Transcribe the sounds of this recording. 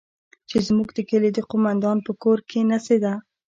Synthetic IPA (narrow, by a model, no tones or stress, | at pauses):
t͡ʃezmuɡd̪əkəled̪əqomand̪ɑnpəkoɾkʰenased̪a